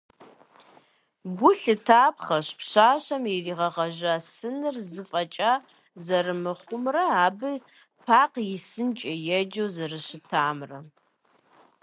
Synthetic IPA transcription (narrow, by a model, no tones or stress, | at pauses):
ɡʷʊɬɨtʰaːpχɐɕpɕaːɕɐmjiriːʁɐʁɐʒasɨnɨrzɨfʼɐt͡ʃʼa | zɐrɨmɨχʷʊmrɐaːbɨ | pʰaːqjɪsɨnt͡ʃʼɐjɛd͡ʒɐwzɐrɨɕɪtʰaːmrɐ